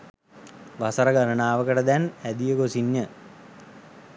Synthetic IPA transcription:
ʋasəɾəɡaɾənaːʋəkəʈəd̪ænæd̪ijəɡosiɲːə

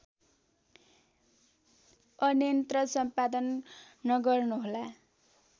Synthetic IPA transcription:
ʌnjʌnt̪rʌsʌmpad̪ʌnː | ʌɡʌrnuɦola

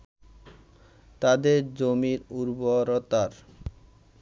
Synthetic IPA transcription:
t̪ad̪eɾd͡ʑomiɾuɾboɾɔt̪aɾ

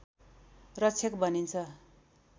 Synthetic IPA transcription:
rʌt͡sʰjekbʌnint͡sʰʌ

